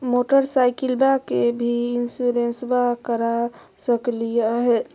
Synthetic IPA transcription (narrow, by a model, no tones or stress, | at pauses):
moʈəɾsajkilbakebʱiinsuɾensbakəɾa | səklijaɦe